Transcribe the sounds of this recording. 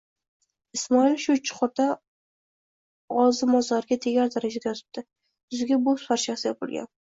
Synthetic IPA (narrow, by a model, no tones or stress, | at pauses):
ɪsmɒilʃʊt͡ʃʰɪ̥qʰʊɾt̪a | ɒzɪmɒzlaɾɪɡʲat̪ʰeɡʲaɾd̪aɾad͡ʒad̪ajɒt̪ʰɪ̥p̚d̪̥ɪ | ʊzɪɡʲabosfaɾʃasɪjap̚ʰʊlˠɡʲa̰n